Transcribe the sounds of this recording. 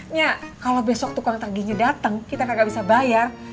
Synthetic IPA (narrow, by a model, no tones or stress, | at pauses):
ɲakalobɛsɔk̚t̪ukaŋt̪arɡiɲadat̪əŋkit̪akaɡaʔbisabajar